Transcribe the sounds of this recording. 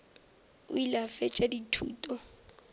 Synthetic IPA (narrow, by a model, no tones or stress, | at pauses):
ʊ̰ilafɛt͡ʃʼaditʰṵːtʼɔ